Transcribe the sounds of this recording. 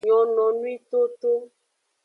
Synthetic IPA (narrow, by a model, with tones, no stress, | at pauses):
ɲɔ˨nɔ̃˨nũ˦i˦t̪o˦t̪o˦